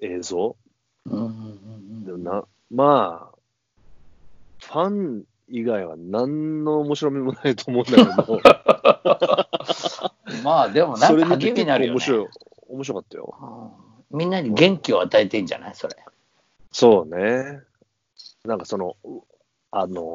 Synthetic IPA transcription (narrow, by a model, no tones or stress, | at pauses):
eːzo̞ | ɯ̃ːɴ̃d̪emonã | maː | ɸãŋ | iɡaiβa̰nãnːoomoɕiɾo̞mʲimonait̪oːmo̞ɯ̃nd̪aked̪o | maːd̪e̞mo̞nãŋsoɾeakemʲiinaɾɯjomoɕiɾo | omoɕiɾo̞kat̪ːajo̰ɯ | mʲĩnːaɲ̟iɡẽ̞ŋkʲio̞at̪aet̪e̞ĩɲd͡ʑa̰na̰iso̞ɾe | so̞ːne | nãŋkaso̞no̞ | ano